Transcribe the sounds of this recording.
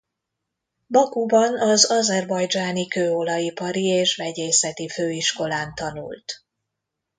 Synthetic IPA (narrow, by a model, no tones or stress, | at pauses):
bɒkubɒnɒzɒzɛrbɒjd͡ʒaːnikøːolɒipɒɾieːʃʋɛɟeːsɛt̪iføːiʃko̞laːnt̪ɒnṵlt̪